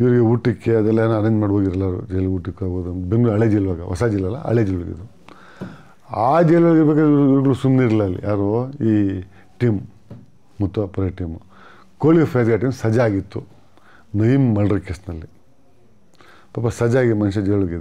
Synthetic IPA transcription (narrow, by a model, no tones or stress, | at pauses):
iʋɐɾiɡeuːʈːikːeɐd̪ɐlːɐeːnɐɐnɐɲd͡ʒmaːɽɦoːɡidɾɐlːaːɾṵd͡ʒɛjluːʈːikːaːɡboːd̪ubeŋɡɭuɐɭeːd͡ʒilʋaːɡɐʋɐ̰saːd͡ʒilɐlːɐ̰ɐ̰ɭed͡ʒiluɭɡḭd̪u | aːd͡ʒejlɐɭɡiɾbekaiʋɾuiʋɾɡɐɭusumneɾɐlːɐɐlːḭjaːɾoiː | ʈiːmː | ut̪ːɐpɐɾɐʈiːmu | koːlifʰɐjad̪ɡaʈ̬iːmsɐd͡ʒɐaːɡit̪ːu | nɐjimːɐlɖɾikesnɐlːi | paːpːɐsɐd͡ʒaːɡimɐnʃ̬ɐd͡ʒɛjlɐɭoɡid̪e